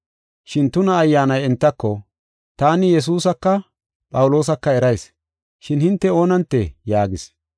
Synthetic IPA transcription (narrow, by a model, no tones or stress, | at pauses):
ʃɪnt̪ʊnɐːjːaːnɐjɛnt̪ːɐkːɔ | t̪aːnɪjɛs̬uːsɐkːɐ | pʼɐwlo̞ːs̬ɐkːɐɛɾɐjs | ʃɪnhɪnt̪ːɛo̞ːnɐnt̪ːɛjaːɡɪs